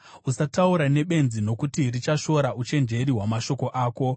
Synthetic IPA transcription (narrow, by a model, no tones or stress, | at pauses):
usatauɾane̞ɓe̞nzino̞kutirit͡ʃaʃo̞ɾaʔut͡ʃe̞nd͡ʒe̞ɾiɦwamaʃo̞ko̞ʔaːko̞